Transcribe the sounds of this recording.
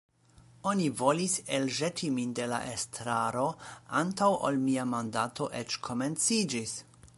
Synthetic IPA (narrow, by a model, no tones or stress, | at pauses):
o̞nivo̞liselʒetʰiminde̞la̰ʔestɾaɾo̞ʔantawʔo̰lmiamandatʰo̞ʔet͡ʃkʰo̞me̞nt͡sid͡ʒis